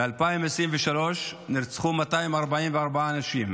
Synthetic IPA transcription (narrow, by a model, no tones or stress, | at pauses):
bealpaimesʁimveʃalo̞ʃniɾt͡sχumat̪aimaʁbaʕimveaʁbaaːnaʃim